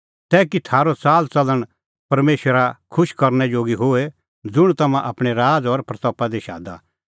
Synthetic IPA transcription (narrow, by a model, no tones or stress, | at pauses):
t̪ɛːkit̪ʰaːɾot͡saːlt͡sɐləɽ̃ | pɐɾmeːʃəɾakʰʊʃkɐɾnɛd͡ʒoːɡiɦoe | d͡zʊɽ̃t̪ɐmãʔaːpɽ̃eɾaːd͡zɔɾpɾɐt̪ɔːpad̪iʃa̰ːd̪a̰ː